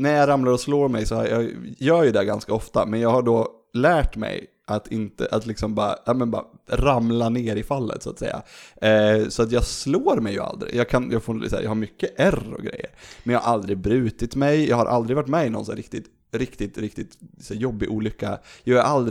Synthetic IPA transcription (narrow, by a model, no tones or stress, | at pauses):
næjɑːɾamlaɾɔsloːɾmɛjsɔhajɑːɡjœːɾjɵd̪ɛɡanskaɔft̪amɛnjɑːɡhaɖoː | læːʈmɛ̰j | ʔat̪ʰɪnt̪ə̰ʔat̪lɪksɔmbɑːɾa̰ʔɑːmənbɑːaɾamlaneːɾɪfalːə̰t̪sɔat̪sɛ̰jːa̰ | sɔat̪jɑːɡsloːɾmɛjːɵ̰a̰ld̪ɾɪ̰jɑːɡkʰanjɑːɡfoɾsæ̰ːjɑ̰ːhaɾmʏkːəʔærɔ̰ɡɾɛ̰jːə̰ɾmɛnjɑːhaɾʔald̪ɾɪɡbɾʉ̟ːt̪ɪt̪mɛjjɑ̰ːɡhaɾʔa̰ld̪ɾɪvaʈːmɛːɪnɔ̰nsæɾɪkt̪ɪt̪ | ɾɪkt̪ɪt̪ɾɪkt̪ɪt̪sæːjɔbːɪʔuːlʏkːajɑːæɾʔald̪ɾ